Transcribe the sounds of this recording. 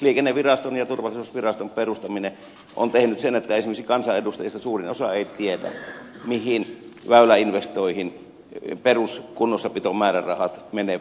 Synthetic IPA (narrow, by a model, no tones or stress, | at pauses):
liekenːeʋirɑst̪onjɑt̪urʋɑlːˑisuːsʋirɑst̪omperust̪ɑmine | ʔo̰nt̪ehnyt̪senet̪ːæesimeksikɑnsɑedust̪ɑjɑst̪ːɑsuːrinosɑeˑit̪ietæ̰ | mihinʋæˑylæinʋest̪oihin | peruskunːosːɑpit̪omæːrærɑhɑt̪mene